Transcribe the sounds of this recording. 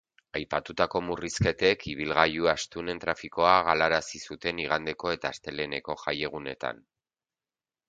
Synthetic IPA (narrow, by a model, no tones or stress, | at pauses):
ajpat̪ut̪ako̞muriske̞t̪e̞kiβ̞ilɣajuast̪une̞nt̪ɾafiko̞aɣalaɾasisut̪e̞niɣand̪e̞ko̞e̞t̪aːst̪e̞le̞ne̞ko̞ʝaje̞ɣ̞une̞̰t̪a̰n